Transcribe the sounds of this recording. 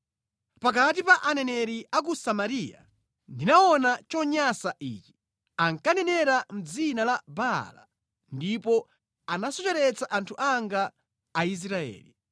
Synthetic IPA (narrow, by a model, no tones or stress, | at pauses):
pak̬at̬ipaʔanɛnɛɾiʔak̬usamaɾija̰ | ndinaɔnat͡ʃɔɲasaʔḭːt͡ʃi̥ | aŋkanɛnɛɾam̩d͡zinalabala̰ | ndipɔ | anasɔt͡ʃɛɾɛt͡saʔantʰuʔaŋɡaː | is̬ɾaɛ̰ːli